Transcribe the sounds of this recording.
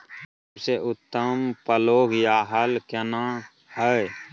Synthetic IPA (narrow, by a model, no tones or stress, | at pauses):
bseʔʊt̪ːəmpəloːɡjaːɦəlkənã | həe